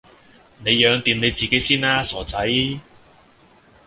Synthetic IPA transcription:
ne˨˧jːœː˨˧ŋt̪iː˨mne˨˧jt͡siː˨ke˨˥jsiː˥naː˥sɔː˨˩t͡sɐ˨˥j

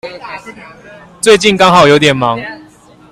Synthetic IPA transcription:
t͡swe˥˧ɪt͡ɕi˥˨nkɑ˥˦ŋɦɑ˨˩ʊjo˧˦ʊt̪jɛ˨˩nmɑ˨˦ŋ

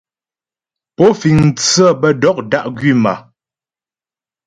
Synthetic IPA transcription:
po˨˦fi˨ŋn̩˨t͡sə˦˨bə˦dɔ˦k̚da˦ʔɡɥi˦˨ma̰˨

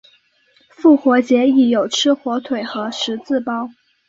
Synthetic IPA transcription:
fu˥˩xwɔ˧˥t͡ɕjɛ˧˥i˨˩jo˨˩ʊʈ͡ʂʰɻ̩˥xwɔ˧˥t̪ʰwe˨˩ɪxɤ˧˥ʂɻ̩˧˥t͡sɹ̩˥˩pɑ˥ʊ

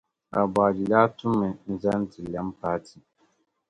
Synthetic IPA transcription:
a˨ba˨di˨laː˦tʊ˦mːɨ˨n̩˦za˦n˦tɨ˨la˦m˦paː˦tʰi˨

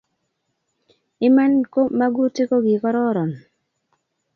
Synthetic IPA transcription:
ɪ˦ma˦nko˦ma˦ɡu˦te˦ko˦ɡɪ˨kɔ˦ɾɔ˦ɾɔ˨n

